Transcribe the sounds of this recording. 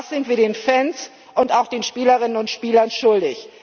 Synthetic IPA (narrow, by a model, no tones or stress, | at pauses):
sz̥ɪntviːɐɾeːnfɛns | ʔʊntaʊxd̥eːnʃpiːləʁɪnənʊntʃpiːlɐnʃʊldɪç